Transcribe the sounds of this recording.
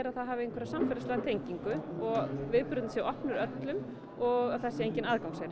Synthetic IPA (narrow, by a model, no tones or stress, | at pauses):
ɾaðθaðɦaːvɪejŋkvɛɾasamfɛɾlaslaːɣt̪ʰejɲciŋkʏɔɣvɪðpɾʏt̪nsjɛɣɔhpnʏɾœt̪lʏm | ɔɣaðθɛsːɪejɲcɪnaðkawŋsɛɾ